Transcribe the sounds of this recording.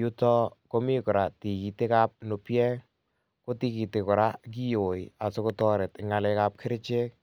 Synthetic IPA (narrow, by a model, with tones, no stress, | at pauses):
ju˦tɔ˦ko˦mi˦kɔ˨ɾa˨ti˨ki˨te˦ka˦p̚no˨pjɛ˦ | ko˦ti˦ki˨te˨kɔ˨ɾa˦k̬i˦jo˨ja˨so˦ko˦tɔ˦ɾe˨tɪŋa˨lɛka˦p̚kʰe˦ɾt͡ʃe˦k̚